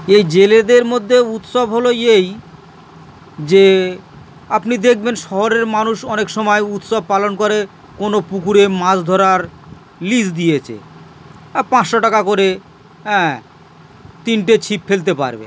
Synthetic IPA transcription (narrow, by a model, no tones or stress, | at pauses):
ejd͡ʑeled̪eɾmod̪ʱːeut̪ʃobɦoloej | d͡ʑe | apnid̪ek̚ʰbenʃɔɦoɾeɾmanuʃɔnekʃɔmɔeut̪ʃob̚palonkoɾe | konopukuɾemãd͡ʑd̪ʱɔɾaɾ | lisd̪ijet͡ɕʰḛ | pãt͡ɕʃoʈakakoɾe | ɦɛ̃ | t̪inʈet͡ɕʰipfelt̪̬epa̰ɾbḛ